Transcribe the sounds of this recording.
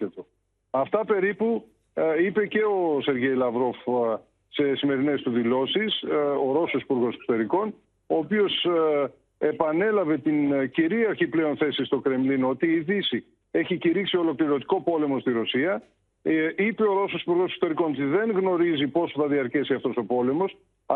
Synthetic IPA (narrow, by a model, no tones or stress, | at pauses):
et̪o | ɐft̪ɐpe̞ɾipu | ipe̞ce̞ose̞ɾʝe̞jlɐvɾo̞f | se̞sime̞ɾine̞st̪uðilo̞siso̞ɾo̞sosi̥puɾɣo̞seksot̪e̞ɾiko̞n | oːpio̞s | e̞pɐne̞lɐve̞t̪inciɾiɐɾçiple̞o̞nθe̞sist̪o̞kɾe̞mlino̞t̪iːðisi | e̞çiciɾiksiolo̞kliɾo̞t̪i̥ko̞po̞le̞mo̞st̪iɾo̞siɐ | ipe̞oɾo̞sosipuɾɣo̞sekso̥t̪e̞ɾiko̞not̪iðe̞ŋɣno̞ɾizipo̞sθɐðiɐɾcesiɐft̪o̞so̞po̞le̞mo̞s